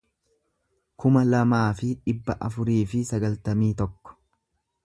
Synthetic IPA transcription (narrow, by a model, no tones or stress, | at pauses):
kʰʊmɐlɐmaːfɪᶑɪbːɐʔɐfʊɾiːfɪsɐɡɐlt̪ɐmiːt̪ɔkːɔ̥